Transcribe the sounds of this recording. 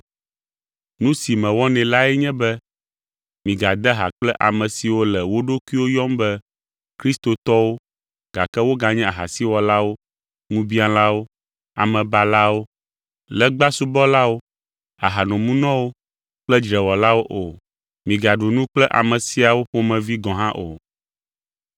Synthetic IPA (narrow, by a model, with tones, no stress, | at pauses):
nũ˦si˨mɛ̃˨wɔ˦nɛ̃˨la˦ɛ˦ɲɛ̃˦bɛ˦ | mĩ˨ɡa˨d̪ɛ˦ɦa̰˨k͡plɛ˦ʔa˨mɛ̃˨si˨wo˦lɛ˨wo˦ɖo˦kwi˦wo˦jɔ˦mbɛ˦ | kɾi˦st̪o˨t̪ɔ˦wo˦ | ɡ̥a˨kɛ˦wo˦ɡa˨ɲɛ̃˦a˨ɦa˨si˦wɔ˨la˦wo˦ | nũ˦bi˦a˨la˦wo˦ | a̰˨mɛ̃˨ba˦la˦wo˦ | lɛ˨ɡ͡ba˦su˦bɔ˦la˦wo˦ | a˨ɦa˨nɔ̃˨mũ˦nɔ̃˦wo˦ | k͡plɛ˦d͡ʒɾɛ˨wɔ˨la˦wo˦ʔo˨ | mĩ˨ɡa˨ɖu˨nũ˦k͡plɛ˦ʔa̰˨mɛ̃˨si˦a˨wo˦ɸo˦mɛ̃˨vi˦ɡɔ̃˨ɦã˦ʔo˨